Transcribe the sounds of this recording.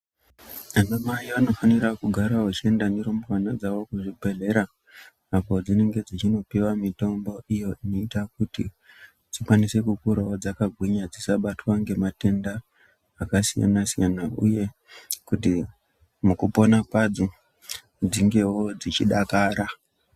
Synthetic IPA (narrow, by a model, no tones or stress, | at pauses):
anamajiano̞faniɾakuɡʱaɾaɦot͡ʃie̞ndaneɾombowanad͡zawo̞kuʐibʱe̞ɮe̞ɾaː | po̞d͡zine̞ŋɡe̞d͡zit͡ʃino̞piwamito̞mbo̞ʔijo̞ino̞itak̚uti | d͡zikwanise̞kukuɾaod͡zakaɡʱwiɲad͡zisaɓatwaŋɡe̞mate̞ndaː | kasija̰nasijanaṵje̞ | kuti | mukupo̞nakwad͡zo | d͡ziŋɡe̞wo̞d͡zit͡ʃiɗakaːɾa